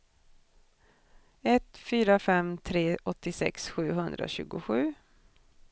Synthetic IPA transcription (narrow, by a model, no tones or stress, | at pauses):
ɛt̪fyːɾafɛmt̪ʰɾeːʔɔt̪ːɪsɛ̰ksɧʉ̟ːɦɵnd̪ɾa̰ɕʉ̟ːɡʊɧʉ̟ː